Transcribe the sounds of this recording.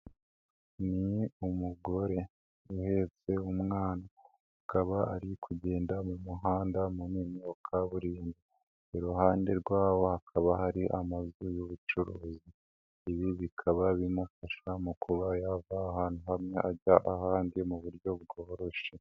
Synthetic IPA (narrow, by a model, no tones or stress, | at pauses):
niumuɡo̞ɾe̞ | uhe̞t͡se̞umŋaːna | ukaβaaɾikʰuɟe̞ːndamumuɦaːndamuniːmookʰaβuɾiːnbi | eɾuhaːnde̞ɾɡwaːwo̞hakʰaβahaɾiʔamazujoβut͡ʃuɾuːziː | βiβikʰaβaβinakaʃamukuβajavaːhaːn̥huɦamŋeʔaɟaʔahaːndimuβuɾɟo̞bɡoːɾo̞ʃe